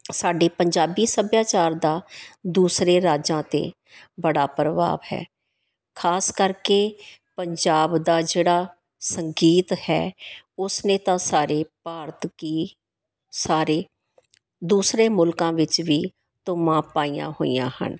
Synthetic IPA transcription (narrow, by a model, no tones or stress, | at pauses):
saːɖeːpəɲd͡ʒaːbiːsəbjaːt͡ʃaːɾd̪aːd̪uːsɾeːɾaːd͡ʒãːt̪ḛː | bəɽaːpɾəʋa̰ːʋhɛ̰ː | kʰaːskəɾkeːpəɲd͡ʒaːbd̪aːd͡ʒeːɽaː | səŋɡiːt̪hɛ̰ːʊsnẽːt̪ãːsaːɾeːpaːɾt̪kiː | saːɾeː | d̪uːsɾeːmʊlkãːʋɪt͡ʃʋiː | t̪ʊmãːpaːijã̰ːɦo̰ːḭjã̰ːhə̰n